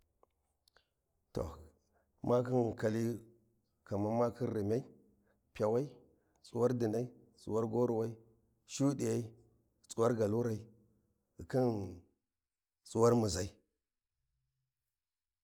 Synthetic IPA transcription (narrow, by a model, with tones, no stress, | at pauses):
to̰˨ | mʔa˦ki˦n˨ka˨li˦ | ka˨ma˦ma˦ki˦nɾi˨mʲa˦i˦ | pʲa˨wa˦i˦ | t͡su˨wa˦ɾdi˨na˦i˦ | t͡sʼṵ˨wa˦ɾɡo˦ɾu˨wa˦i˦ | ʃu˦di˨ja˦i˦ | t͡sʼu˦wa˦ɾɡa˨lu˦ɾa˨i˦˨ | ki˦n | t͡sʼu˦wa˦ɾmu˨za˨i˦